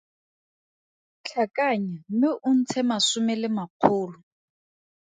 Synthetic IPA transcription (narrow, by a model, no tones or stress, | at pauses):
t͡ɬʰakaɲamɪʔun̩t͡sʰɛmasʊmɛlɪmaq͡χʰʊːlʊ